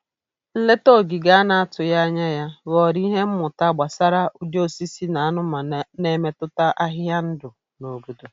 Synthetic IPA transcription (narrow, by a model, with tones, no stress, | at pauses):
n̩˦le˦to˦˨ɡi˨ɡa˦a˦na˨a˦tʊ˨ja˦ɲa˦ja˦ɣɔ˨ɾi˦ɦe˦m̩˦mʊ˨ta˦ɡ͡ba˨sa˦ɾa˦ʔʊ˦d͡ʒo˦si˦si˦na˨a˦nʊ˦ma˨ne˦me˦tʊ˦ta˦ʔa˦ɦɪ˦ja˦n̩˦dʊ˨ | no˨ɡu˦do˨